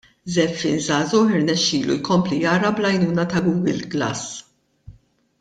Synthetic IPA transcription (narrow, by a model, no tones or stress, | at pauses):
zɛfːɪ̰ːnzɐːzɔːħɪɾnɛʃːiːlṵjkɔmplijɐːɾɐblɐjnuːnɐt̪ɐɡuːɡɪlɡlɐ̰s